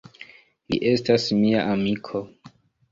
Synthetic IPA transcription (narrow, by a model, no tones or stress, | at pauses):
lḭʔe̞stasmiaʔamikʰo̞